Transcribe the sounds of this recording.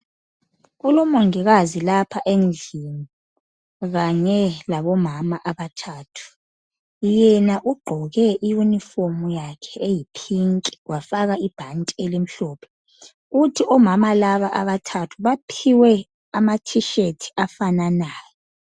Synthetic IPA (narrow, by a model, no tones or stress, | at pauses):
ɣulɔmɔŋiɣazilapʰaʔend͡ɮʱini | ɣaɲɛlaβɔmamaʔaβatʰaːtʰu̥ | jɛnaʔuɡ͡ǃʱɔɣɛʔijunifomujakʰɛejipʰiŋkʼi̥wafaɣaib̥ʱantʼielim̩ɬɔːpʰɛ̥ | ɣutʰiʔɔmamalaβaʔaβatʰatʰuβapʰiwɛ | amatʰiʃetʰi̥afananaːjɔ